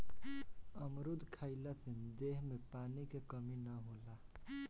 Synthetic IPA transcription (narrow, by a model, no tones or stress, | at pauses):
əmɾud̪ʱkʰaɪlasind̪eɦmepaːnikekəminəɦola